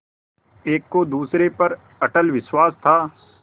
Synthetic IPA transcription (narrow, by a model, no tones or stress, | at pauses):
eːkːod̪uːsɾepɐɾ | ɐʈəlʋɪʃwaːst̪ʰaː